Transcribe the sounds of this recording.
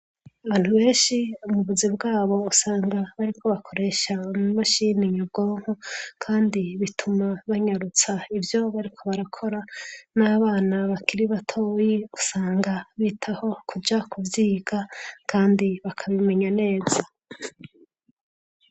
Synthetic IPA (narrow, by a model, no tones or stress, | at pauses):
aβaːn̥huβe̞ːnʃiumuβuzibɡaːβo̞usaːŋɡaβaɾikʰo̞βakʰo̞ɾe̞ːʃaumaʃiniɲobɡo̞ːŋ̥hokʰaːndiβitʰumaβaɲaɾut͡saivjo̞βaɾikʰo̞βaɾakʰo̞ɾanaβaːnaβakʰiɾiβatʰo̞ːjiusaːŋɡaβiːtʰaho̞kʰud͡ʒakʰuvjiːɡakʰaːndiβakʰaβime̞ɲane̞ːz̥a